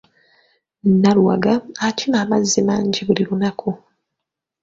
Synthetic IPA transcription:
nːaluwa̰ɡaacʰimaːmazːimaːɲɟiβulilunakʰu

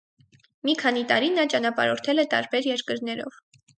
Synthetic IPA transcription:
mikʰɑnit̪ɑɾinɑt͡ʃɑn̪ɑpɑ̰ɾɔɾt̪ʰɛlɛt̪ɑ̰ɾbɛɾjɛɾkəɾnɛɾɔ̰v̥

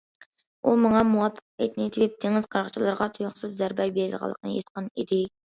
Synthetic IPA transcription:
ʔumɑŋɑmuwɑpʰːə̥qet̪nɪt̪ʰɪwɪp̚t̪ʰeŋɪz̥qʰɑɾqə̥t͡ʃʰilˠɨɾʁɑt̪ʰujʊχsɨzːæɾbɛjbezʁə̰lˠːə̰qʰnɨ̰jet̪qənid̪ɪ

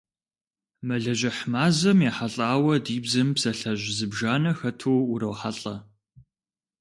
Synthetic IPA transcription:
mɐɮɐʒɐħmaːzɐmjaːħaɬʼaːwɐdiːbzɨmpsɐɬɐʒzɨbʒaːnɐxɐtʰuːuɾɐwħaɬʼɐ

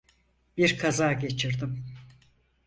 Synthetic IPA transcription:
b̥iɾkʰazaːɟe̞t͡ʃʰiɾd̪im

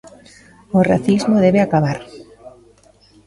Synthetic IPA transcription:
ora̰θizmoðɛβeakaβ̞aɾ

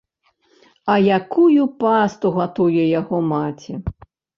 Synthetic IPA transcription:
ɐjakujupast̪uɣat̪ujɛjaɣɔmat͡sʲi

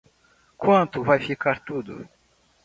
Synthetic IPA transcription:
kwɐ̃nt̪ʊvajfikaɾt̪ud̪ʊ̰

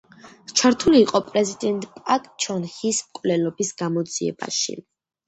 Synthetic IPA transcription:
t͡ʃʰaɾt̪ʰuliːqʼɔpʼɾɛzid̪ɛnt̪ʼpʼakʼt͡ʃʰɔnhismkʼvlɛlɔbisɡ̥amɔd̪z̥iɛ̰ba̰ʃḭ

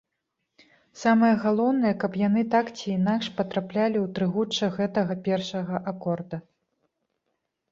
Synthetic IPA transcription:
samɐjɐɣalˠɔwnɐjɐkɐpjan̪ɨt̪akt͡sʲiːnakʂpɐt̪ɾaplʲalʲiwt̪ɾɨɣut͡ʂːɐɣɛt̪ɐɣɐpʲɛrʂɐɣɐʔakɔrd̪ɐ

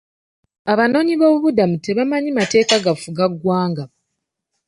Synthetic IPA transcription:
aβano̞ːɲiβo̞ːβuβudamute̞βamaɲimate̞ːkaɡafuɡaɡːwaːŋɡa

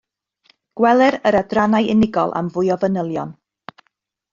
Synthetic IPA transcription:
ɡ̥wɛlˠɛɾəɾadranajʔɪnɪɡɔlˠʔa̰mvʊjɔvənəlˠjɔn

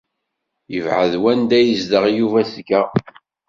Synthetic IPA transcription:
jəvʕə̰ðwænd̪æjəzd̪əʁjuvæθkːæ

